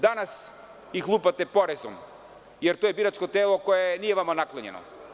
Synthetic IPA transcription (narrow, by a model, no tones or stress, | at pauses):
d̪anas | ixlˠupat̪ɛpoɾɛzɔm | jɛɾt̪ojɛbiɾat͡ʃkot̪ɛlˠɔkɔjɛniɛvamɔnaklˠɔɲɛ̰no̰